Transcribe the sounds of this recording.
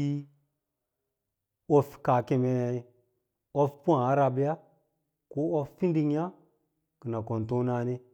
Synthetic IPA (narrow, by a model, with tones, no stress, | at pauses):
i˦ | o˦fka˨ke˨me˨ | o˦fpu˦ã˨a˦ɾa˧bi˦ja˦ | ko˦o˦ffi˦ndi˦ŋja˦ | kə˨na˨ko˨n˨to˦na˨ne˦